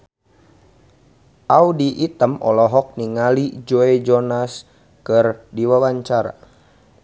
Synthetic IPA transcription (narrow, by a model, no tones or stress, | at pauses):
ʔaudiʔːt̪əmʔɔ̰lɔɦɔk̚niŋalid͡ʒoɛd͡ʒɔnas | kərdiwawaɲt͡ʃaɾa̰